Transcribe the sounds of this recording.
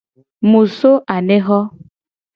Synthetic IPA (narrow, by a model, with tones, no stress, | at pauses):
mũ˨so˦ʔa˨ne˦ɣɔ˦